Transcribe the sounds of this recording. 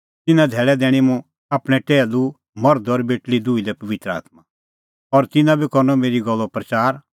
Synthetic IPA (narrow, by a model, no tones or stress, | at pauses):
t̪ɪnãd̪ʱɛːɭɛd̪ɛːɽ̃imũ | aːpɽ̃ɛʈɛːlu | mɔɾd̪ɔɾbeːʈlid̪uːid̪ɛpɐʋɪt̪ɾəa̰ːt̪ma | ɔɾt̪ɪnãbʱikɔɾnɔmeːɾiɡɔlːɔpɾɐt͡ʃaːɾ